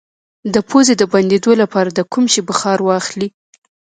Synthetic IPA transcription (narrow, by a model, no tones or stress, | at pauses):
d̪əpʰozed̪əband̪ed̪olapɑɾad̪əkumʃibəxɑɾwɑxli